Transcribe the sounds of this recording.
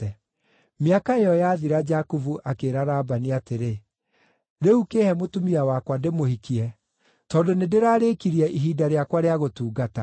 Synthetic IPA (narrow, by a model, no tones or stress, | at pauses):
ɛ | meakaejɔjaːðiɾad͡ʒakuvuʔakeːɾaɾaːbaniateɾe | ɾeukeːhɛmotumiawakwademohikiɛ | tɔːndonedeɾaːɾekiɾiɛʔiɦiːdaɾeakwaɾeaɣotuːɡata